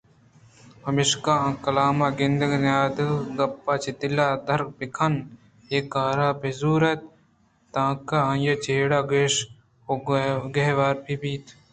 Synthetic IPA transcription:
pɐmiʃkaãːkɐlaːmaːɡɪnd̪ɐɡnaːd̪ɡɐpːaːt͡ʃit̪ɪlaːd̪ɐɾk̚pɪkʰɐn | eːkaːɾaːpezuːɾɐt̪̚ | t̪ãːkaãjɐt͡ʃeːɽaːɡeːʃ | oɡeɦʋaːɾpʰibiːt̪

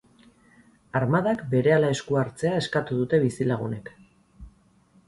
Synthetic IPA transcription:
aɾmaðakbe̞ɾe̞alae̞skuaɾt͡se̞ae̞skat̪uðut̪e̞βisilaɣune̞k

